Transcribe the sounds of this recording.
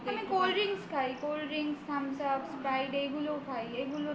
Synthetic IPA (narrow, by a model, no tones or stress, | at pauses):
amekolɾiŋskʰajkolɾiŋskʰamsəbspɾajɖejɡʱulopʰajejɡulo